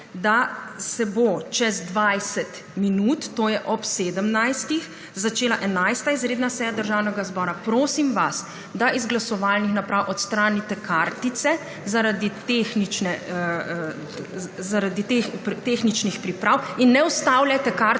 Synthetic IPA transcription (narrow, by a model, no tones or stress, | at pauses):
d̪asɛbot͡ʃɛzd̪ʋajsɛt̪ | minuːt̪ːoːjɛʔɔpseːd̪əmnajst̪ix | zat͡ʃeːlaʔɛnajst̪aizɾeːd̪nasɛːjad̪əɾʒaːwnɛɡazbɔːɾapɾoːsimʋas | d̪aʔizɡlasɔʋalnixnapɾawʔɔt̪st̪ɾaːnit̪ɛkʰaɾt̪it̪sɛ | zaɾad̪it̪exnit͡ʃnɛ | zaɾad̪it̪ext̪exnit͡ʃnixpɾipɾawinːɛust̪awlajt̪ɛka